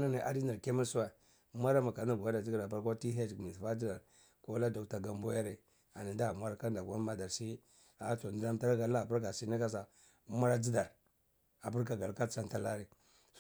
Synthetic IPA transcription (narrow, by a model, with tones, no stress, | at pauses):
na˦na˨ʔa̰˨di˦na˨ɾke˦mi˦su˦a˨˦ | ma˦ɾa˦ma˨ka˨na˦ɡja˦da˨d͡ʒi˦ɡa˨ɾa˨ba˦ɾko˦ti˦ɦe˦d͡ʒmi˨sfa˦d͡ʒi˦da˨ɾ | ko˦la˦da˨kta˨ɡa˨mbo˦ja˦ɾe˨ | a˨ni˨nda˦˨mʷa˦ɾa˦ka˦nda˨kʷa˦ma˦da˨ɾsi˦ | a˨˦to˨di˦da˦mta˦ɾɡa˨la˦˨bu˦ɾka˨si˦ni˦ka˦s̬a˨˦ | ma˦ɾa˦d͡ʒi˦da˨ɾ | a˨bu˦ɾka˨ɡa˨lka˦t͡ʃa˦nta˦la˦ɾi˨